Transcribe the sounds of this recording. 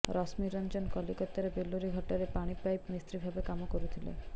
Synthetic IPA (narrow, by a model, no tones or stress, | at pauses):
ɾɔsmiɾɔnd͡ʒɔnkɔlikɔt̪ːaɾebelːuɾiɡʱɔʈaɾepaɽ̃ipajpmist̪ɾibʱabekamɔkoɾut̪ʰilḛ